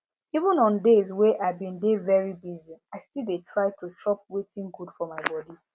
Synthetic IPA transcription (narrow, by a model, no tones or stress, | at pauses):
ivə̃nɔ̃ndezwɛʔaɪvbĩndevɛɹibiziaɪstildetʰɹaɪtʰustɹɔp̚wetʰĩŋɡudfɔmaɪbɔdi